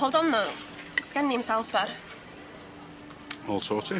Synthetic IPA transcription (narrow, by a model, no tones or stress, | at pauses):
ɔlˠdɔnɔ | skɛnɪmsalˠsbar | mɔlˠtʰoːtʰɪ